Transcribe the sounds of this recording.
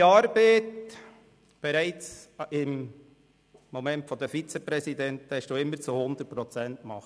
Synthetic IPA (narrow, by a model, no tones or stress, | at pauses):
ɑɾbeɪt | b̥ɛɾæɪt͡sɪm | omɛntfɔdɛfit͡sɛpɾɛsidɛntɛʃd̥uːɪmːəɾt͡suhʊnd̪ət̚pɾɔt͡sɛntmɑχt